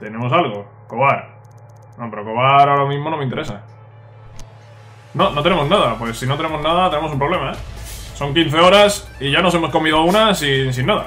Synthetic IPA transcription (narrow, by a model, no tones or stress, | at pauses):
t̪e̞ne̞mo̞s̬alɣo̞ | ko̞βaɾ | nope̞ɾo̞ko̞βaɾaoɾamizmo̞no̞meint̪eɾe̞sa | no̞no̞t̪e̞ne̞mo̞znaðapwe̞sːinot̪e̞ne̞mo̞naðat̪e̞ne̞mosumpɾo̞βle̞maeso̞ŋkin̟θe̞o̞ɾasiʝano̞se̞mo̞sko̞miðounasins̬inːaða̰